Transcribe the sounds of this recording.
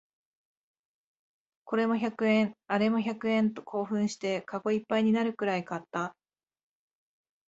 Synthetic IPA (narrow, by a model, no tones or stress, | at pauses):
ko̞ɾe̞mo̞çakɯ̟ẽ̞ɴaɾe̞mo̞çakɯ̟ẽ̞nt̪o̞̥kʰo̞ːɸɯ̟̃ɰ̃ɕi̥t̪e̞kaɡo̞ipːaiɲ̟inaɾɯ̟kɯ̟ɾaikat̪ːa